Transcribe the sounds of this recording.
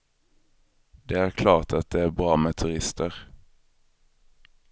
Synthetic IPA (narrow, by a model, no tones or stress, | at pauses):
d̪̥eːæːʁkʰlɑːʁt̪ʰɑt̪̚d̪eːæːʁbʁɑːmeːt̪ʰʉʁɪst̪ʰəʁ